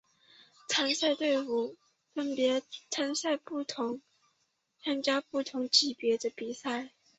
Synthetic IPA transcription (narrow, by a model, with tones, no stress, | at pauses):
t͡sʰa˥nsa˥˧ɪt̪we˥˩ɪfu˨˩ | fə˥npjɛ˧˥t͡sʰa˥nsa˥˧ɪpu˥˩t̪ʰʊ˧˥ŋ | t͡sʰa˥ŋt͡ɕja˥pu˥˩t̪ʰʊ˧˥ŋt͡ɕi˨˩pjɛ˧˥d̪ə˧pi˨˩sa˥˩ɪ